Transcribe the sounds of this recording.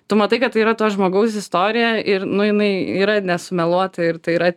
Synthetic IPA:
t̪ʊmɐt̪ɐɪkɐt̪t̪ːɐɪiːɾɐt̪oːjʒmoːɡɐʊsɪst̪oːɾʲɪjɛʔɪɾnʊjɪnɐɪiːɾɐnʲɛsʊmʲɛlˠuɔt̪ɐɪɾt̪ɐɪiːɾɐ

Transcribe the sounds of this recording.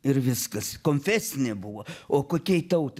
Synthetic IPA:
ɪɾʋʲɪskɐskoːnʲfʲæsʲɪnʲebʊʋoːoːkoːkʲɛɪt̪ɐʊt̪

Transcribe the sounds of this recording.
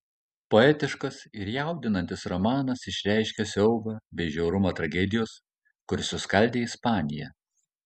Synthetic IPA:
poɛt̪ʲɪʃkɐsɪɾjɛˑʊd̪ʲɪnɐnʲt̪ʲɪsɾɔmɑːnɐsɪʃʲɾʲæˑɪʃʲkʲɛsʲɛʊɡɐbʲɛɪʒʲɛʊɾʊmɐt̪ɾɐɡʲɛd̪ʲɪjoːs | kʊɾʲsʲʊskɐlʲd̪ʲeːɪspɑːnʲɪjɛ̰

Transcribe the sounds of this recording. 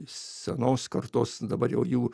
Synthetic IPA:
sʲɛnoːskɐrt̪oːsd̪ɐbɐɾjɛʊjuː

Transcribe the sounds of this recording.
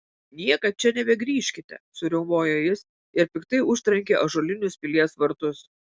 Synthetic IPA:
nʲiɛkɐt͡ʃʲɛnʲɛbʲɛɡɾʲiːʃʲkʲɪt̪ʲɛ̰sʊɾʲɛʊmoːjoːjɪs | ɪɾpʲɪkt̪ɐɪʊʃʲt̪ɾɐŋʲkʲeːʔɐʒoːlʲɪnʲʊspʲɪlʲiɛsʋɐɾt̪ʊs

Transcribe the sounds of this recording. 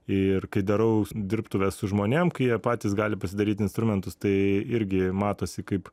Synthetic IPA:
ɪrkɐɪd̪ɐɾɐʊd̪ʲɪɾpt̪ʊʋʲɛssʊʒmoːnʲeɛmkɐɪjiɛpɑːt̪ʲiːsɡɑːlʲɪpɐsʲɪd̪ɐɾʲiːt̪ʲɪnst̪ɾʊmʲɛnt̪ʊst̪ɐɪɪɾʲɡʲɪmɑːt̪oːsʲɪkɐɪp

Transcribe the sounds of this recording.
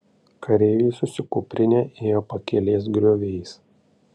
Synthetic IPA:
kʰɐɾʲɛːʋʲisʊsʲɪkʊpʲɾʲɪnʲeːʔeːjoːpɐkʲɛlʲeːsɡɾʲoːʋʲɛɪs

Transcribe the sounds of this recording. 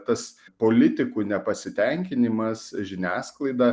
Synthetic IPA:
t̪ɐspoːlʲɪt̪ʲɪkuːnʲɛpɐsʲɪt̪ʲɛŋʲkʲɪnʲɪmɐsʒʲɪnʲæːsklˠɐɪd̪ɑ

